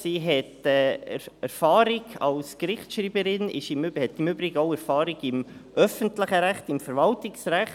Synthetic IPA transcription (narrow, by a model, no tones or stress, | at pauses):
siːɦɛtɛɛɾfɑːɾɪɡ̥ɑlskrɪχt͡sʃɾiːbəɾɪnɪ̰ʃɪmyhɛtɪmybɾɪɡəoʊɛɾfɑːɾɪɡɪmʔœfəntləχəɾæχtɪmfəɾvɑltɪksræχ